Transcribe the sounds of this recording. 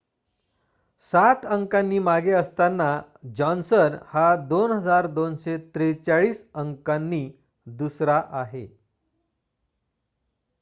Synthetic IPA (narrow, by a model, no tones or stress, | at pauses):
sat̪əŋkanːiːmaɡeəst̪anːa | d͡ʑɔnsənhad̪onɦəd͡zaɾd̪onɕet̪ɾet͡saɭiːsəŋkanːiː | d̪usɾaʔaɦe